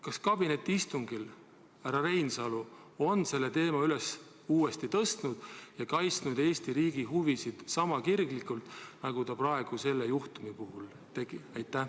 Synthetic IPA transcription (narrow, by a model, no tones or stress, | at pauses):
kɑskɑb̥ine̞t̪ːˑiist̪uŋɡ̥il | æɾɑɾe̞jnsɑlu | o̞nse̞lːet̪e̞ːmɑyles | uːe̞st̪it̪ɤst̪nud̪̥jɑkɑjt̪snud̪̥e̞ːst̪iɾiːɡ̥iɦuvisid̪̥sɑmɑkirɡlikˑult̪ˑnɑɡ̥ut̪ɑprɑe̞ɡ̥use̞lːejuht̪umipuɦul | t̪e̞ɡ̥iɑjt̪ːˑæ